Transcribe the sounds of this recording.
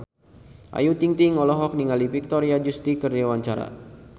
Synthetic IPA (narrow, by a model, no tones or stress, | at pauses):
ʔa̰jut̪iŋt̪iŋɔlɔɦɔk̚niŋalifik̚t̪ɔɾiad͡ʒust̪ikɨrdewaɲt͡ʃaɾa̰